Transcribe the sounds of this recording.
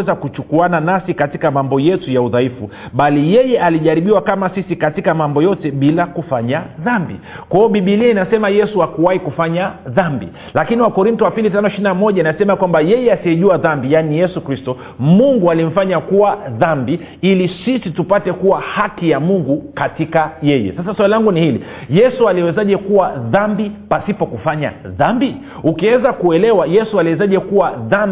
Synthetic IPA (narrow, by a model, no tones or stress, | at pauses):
ɛzakut͡ʃukuananasikatikamambɔjɛtujauðaifṵ | ɓalijɛjɛʔaliʄaɾiɓiwakamasisikatikamambɔjɔtɛɓilakufaɲaðambḭ | kwaɔɓiɓiliainasɛmajɛsuakuwahikufaɲaðambḭ | lakiniwakɔɾintɔwapilitanɔiʃiɾinamɔʄainasɛmakwambajɛjɛasiɛʄuaðambijanijɛsukɾistɔ | muŋɡualim̩faɲakuwaðambi | ilisisitupatɛkuwahakijamuŋɡukatikajɛjɛ̰sasaswalilaŋɡunihilḭ | jɛsualiɔwɛzaʄɛkuwaðambipasipɔkufaɲa̰ðambi | ukiwɛzakuɛlɛwajɛsualiwɛzaʄɛkuwaðam